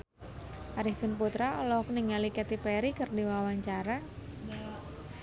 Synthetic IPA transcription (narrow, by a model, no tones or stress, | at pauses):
ʔaɾifinput̪ɾaɔlɔkəniŋalikɛt̪ipɛɾikɨrdiwawaɲt͡ʃaɾa